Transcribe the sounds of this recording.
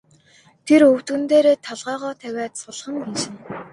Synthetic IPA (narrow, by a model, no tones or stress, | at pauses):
t̪ʰeɾɵw̥t̪ŭnt̪eːɾeːt̪ʰɔɮʁœːʁɔːt̪ʰæwʲæːt̪sʊɮ̆χə̆ŋɡenʃɪ̆n